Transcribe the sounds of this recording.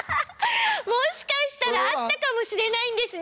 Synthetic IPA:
moɕi̥kaɕi̥t̪aɾaːt̪ːakamo̞ɕiɾe̞naĩnd̪e̞sɨn

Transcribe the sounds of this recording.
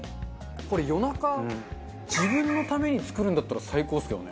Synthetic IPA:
ko̞ɾe̞jo̞naka | d͡ʑibɯ̟̃nːo̞t̪ame̞ɲ̟it͡sɨ̥kɯ̟ɾɯ̟nd̪at̪ːaɾasaiko̞ːsɨjonḛ

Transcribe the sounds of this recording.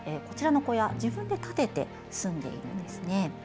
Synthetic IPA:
eko̞t͡ɕiɾano̞ko̞jad͡ʑibɯ̟̃nd̪e̞t̪at̪e̞t̪e̞ | sɨ̃nd̪e̞̰ḭɾɯ̰nd̪e̞sɨne̞

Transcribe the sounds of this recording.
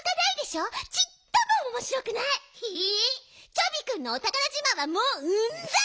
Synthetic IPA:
d̪enaid̪e̞ɕoːt͡ɕit̪ːomoomo̞ɕiɾo̞kɯ̟naihi | t͡ɕobʲikɯ̟̃nːoːt̪aɡanad͡ʑimaβamoːɯnza

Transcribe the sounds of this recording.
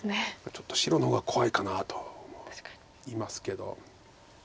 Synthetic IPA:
nemat͡ɕo̞t̪ːo̞ɕiɾo̞nohoːɡakʰo̞βaikanat̪o̞̥omo̥a | iːmasɨ̥ke̞d̪o̞̰

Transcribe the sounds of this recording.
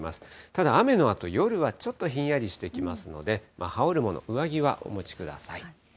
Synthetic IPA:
masɨ̥t̪ad̪aːme̞no̞at̪o̞jo̞ɾɯ̟βat͡ɕo̞t̪ːo̞çĩɰ̃jaɾʲiɕi̥t̪e̞kʲimasɨno̞̰d̪e̞mʔa̰hao̞ɾɯ̟mo̞no̞̰ʔɯ̟βaɡʲiβa̰ʔo̞̰mo̞t͡ɕi̥kɯ̟d̪a̰sai

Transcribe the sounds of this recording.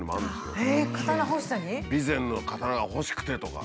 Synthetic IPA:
ɲimoã̰nd̪e̞sɨjo̰ekat̪anaɦoɕi̥saɲibʲizẽ̞nːokʰat̪aɾaɡaho̞ɕi̥kɯ̥t̪e̞t̪o̞ka̰

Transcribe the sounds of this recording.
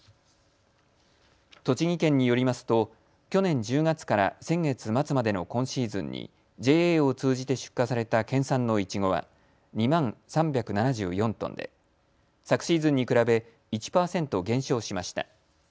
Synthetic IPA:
t̪o̞t͡ɕiɡʲikẽ̞ɲ̟ːijo̞ɾʲimasɨ̥t̪o̞ | kʲo̞nẽ̞ɲ̟d͡ʑɨːɡat͡sɨ̥kaɾa̰sẽ̞ŋɡe̞t͡sɨmat͡sɨmad̪e̞no̞kõ̞ɰ̃ɕiːzɨ̰̃ɲ̟ɲːʔḭ | d͡ʑe̞ːeːo̞t͡sɨːʑit̪e̞ɕɨ̥kːasaɾe̞t̪akẽ̞ɰ̃sãnːo̞it͡ɕiɡo̞βa̰ | ɲ̟imãɰ̃sãmbʲjakɯ̟nanaʑɨ̰ːjõ̞nt̪õnd̪e̞̰ | sakɯ̟̥ɕiːzɨ̃ɲ̟ːikɯ̟ɾabe̞ | it͡ɕi̥paːsẽ̞nt̪o̞ɡẽ̞ɰ̃ɕo̞ːɕimaɕi̥t̪a̰

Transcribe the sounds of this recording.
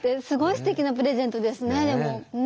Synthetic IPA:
t̪ːesɨɡo̞isɨ̥t̪e̞kʲinap̬ɯ̟ɾe̞zẽ̞nt̪o̞d̪e̞sɨne̞d̪e̞mo̞

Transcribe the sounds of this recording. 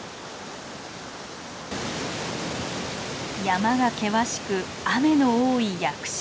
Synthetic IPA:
jamaɡake̞βaɕi̥kɯ̟ | ame̞no̞oːijakɯ̟̥ɕ

